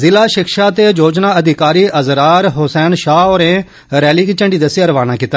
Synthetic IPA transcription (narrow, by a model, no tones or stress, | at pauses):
zɪlaːʃɪkʃaːt̪eːd͡ʒoːd͡ʒnãːəd̪ʱɪkaːɾiːəzɾaːɾɦʊsɛːnʃaːoːɾẽː | ɾɛːliːkit͡ʃəɳɖiːd̪əsɪjɾəʋaːnaːkiːt̪ːaː